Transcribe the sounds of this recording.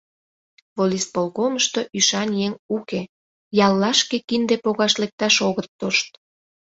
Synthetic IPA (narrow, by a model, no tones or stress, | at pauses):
volʲispolɣoməʃt̪oʔyʃɑnjeŋuke | jɑlːɑʃkekind̪epoɣɑʃlek̚t̪ɑʃoɣət̪ːoʃt̪̚